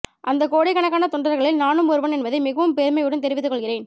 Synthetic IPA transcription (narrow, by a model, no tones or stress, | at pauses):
ʔɐnd̪ɐkoːɽɪkːɐɳɐkːaːnɐt̪ɔɳɖɾɐɾɣɐɭɪlnaːnɯmɔɾɯʋɐnɛnbɐðɐɪmɪɣɐʋɯmpɛːɾmɐɪʋɪɽɐɯnt̪ɛɾɪʋɪt̪ːɯkːɔɭɣɪreːn